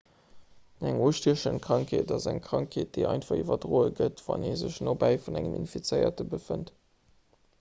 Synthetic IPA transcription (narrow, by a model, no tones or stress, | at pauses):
næŋuːʃtiəʃəntkʁɑŋkʰeːtɑzæŋkʰʁ̥ɑŋkʰeːt̚d̥əɪʔɑ̰ɪntfɑʁivɐdʀoːəɡətv̥ɑ̰neːzəɕnoːbæɪfunæŋəmḭnfit͡səɪɐ̰təbəfənt